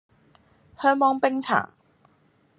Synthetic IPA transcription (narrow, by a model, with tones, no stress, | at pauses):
hœː˥ŋmɔː˥ŋpɪ˥ŋt͡sʰa̰ː˨˩ŋ